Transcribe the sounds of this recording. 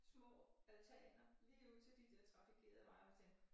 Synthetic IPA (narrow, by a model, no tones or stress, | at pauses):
smɔæðt͡sʰɛ̰l̥nɐliːuð̰ˠt͡sʰe̝ld̥id̥eɐt͡sʰʁɑ̈fiɡkʰe̝̰ːɐð̩ˠəʋɑ̈ɪmɒt͡sʰen̥